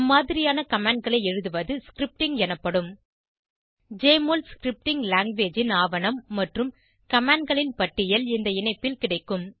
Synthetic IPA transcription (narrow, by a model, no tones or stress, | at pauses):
mːaːðɪɾɪjaːnɐkɐmaːɳɖ̚ɡɐɭɐɪɛɻɯðɯʋɐðɯskɪɾɪp̚ʈɪŋɡɛnɐpːɐɽɯm | d͡ʒeːmoːlskɪɾɪp̚ʈɪŋɡlaːŋɡʋeːd͡ʒɪnaːʋɐnɐmːɐʈrɯm | kɐmaːɳɖ̚ɡɐɭɪnpɐʈːɪjɐlɪnd̪ɐɪnɐɪpːɪlkɪɽɐɪkːɯm